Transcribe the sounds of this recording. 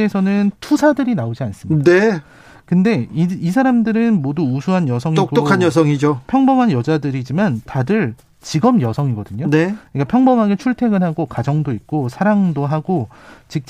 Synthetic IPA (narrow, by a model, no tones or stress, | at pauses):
esʰʌnɯntʰusʰadɯɾinaod͡ʑians͈ɯme | kɯnde̞iisʰaɾamdɯɾɯnmoduusʰuɦanjʌsʰʌŋiokɡ͈okʰanjʌs̬ʰʌŋid͡ʑopʰjʌŋbʌmɦanjʌd͡ʑadɯɾid͡ʑimantadɯɭ | t͡ɕiɡʌmjʌsʰʌŋiɡʌdɯɲonek͈apʰjʌŋbʌmɦaɡet͡ɕʰuɭtʰe̞ɡɯnɦaɡokad͡ʑʌŋdoik̚k͈osʰaɾaŋdoɦaɡot͡ɕik̚t͡ɕ͈